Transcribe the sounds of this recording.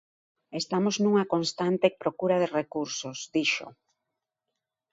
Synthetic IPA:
est̪amoznuŋɐkonst̪ant̪epɾokuɾað̞erekuɾsosd̪iʃo̰

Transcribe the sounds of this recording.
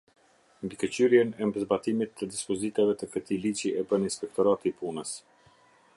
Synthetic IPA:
nd̪ikət͡ɕyɾjɛnɛmbəzbat̪imit̪ːəd̪ispɔzit̪avɛt̪əkət̪ilit͡ʃiɛbəninspɛk̚t̪ɔɾat̪ipunəs

